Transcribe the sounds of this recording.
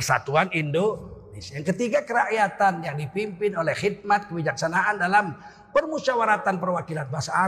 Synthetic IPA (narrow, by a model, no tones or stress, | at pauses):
ərsa̰t̪uanindonɪsjaŋkət̪iɡakəɾaʔjat̪anjaŋdipimpɪnolɛhhid̪̚mat̪̚kəbid͡ʒaksanaʔːndalam | pərmusawaɾat̪anpərwakilanbasaː